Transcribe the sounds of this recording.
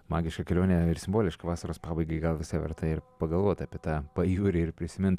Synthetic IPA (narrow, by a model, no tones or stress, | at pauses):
mɑːɡʲɪʃkɐkʲɛlʲoːnʲeɪɾsʲɪmboːlʲɪʃkɐʋɑːsɐɾoːspɑːbɐɪɡɐɪɡɐlˠʋʲɪsɐʋʲɛ̰ɾt̪ɐɪɾpɐɡɐlˠʋoɔt̪ɑːpʲiɛt̪ɑːpɐjuːɾʲɪɪɾpʲɾʲɪsʲɪmʲɪnt̪